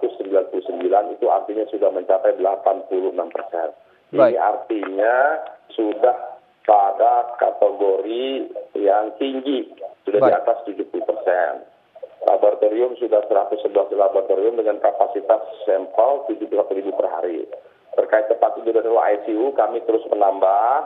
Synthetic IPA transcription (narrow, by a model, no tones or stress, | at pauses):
t̪ʊsːəmbilanpuluhsəmbilanit̪ua̰rt̪iɲasudahməɲt͡ʃapajdəlapanpuluhənampərsɛn | iniʔa̰rt̪iɲasudah | padakat̪əɡoɾijaŋt̪iŋɡisudahdiat̪ast̪ud͡ʒupulupərsɛn | lʔa̰bart̪oɾiʊmsudahsəɾat̪ʊsːəbəlasdəlabart̪oɾiʊmdəŋankapasit̪asːɛmpəlt̪ud͡ʒupusat̪uɾibupərɦa̰ɾḭ | t̪ərkaɪt̪ːəpat̪̚it̪udaɾiɾaajsiukamit̪əɾʊsmənamba